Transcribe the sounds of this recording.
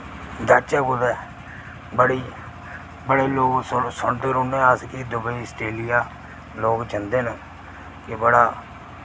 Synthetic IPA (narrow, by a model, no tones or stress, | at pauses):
d̪ət͡ʃɛːkʊd̪ɛː | bəɽiː | bəɽeːloːɡssəɳʈːɾoːnẽːaskiːd̪ʊbəiːsʈeːlɪjaː | loːkd͡ʒənd̪eːnũː | kɪbəɽaː